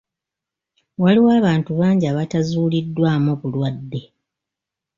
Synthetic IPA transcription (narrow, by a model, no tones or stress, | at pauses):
waliwaːβaːntuβaːɲɟiaβatazuːlidːwaːmoβulwadːe̞